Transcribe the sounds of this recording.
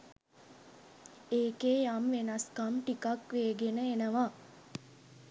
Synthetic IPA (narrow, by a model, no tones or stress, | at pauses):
eːkeːjamʋenɐskamʈikakʋeːɡenəenəʋaː